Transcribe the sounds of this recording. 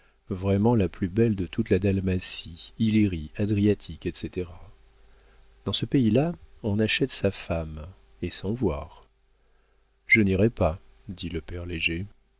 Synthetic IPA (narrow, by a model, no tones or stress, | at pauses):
vʁɛmɑ̃laplybɛld̪ət̪ʰut̪lad̪almasiileʁiad̪ʁiat̪ʰikɛt̪set̪eʁa | d̪̥ɑ̃səpeilaɔ̃naʃɛt̪safam | esɑ̃vwa̰ːʁ | ʒəniʁɛpa | d̪iləpɛʁleʒe